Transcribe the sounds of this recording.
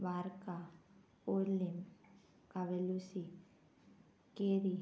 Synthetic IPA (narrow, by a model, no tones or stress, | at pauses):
ʋaːɾka | oːlim | kɐʋelusi | keːɾi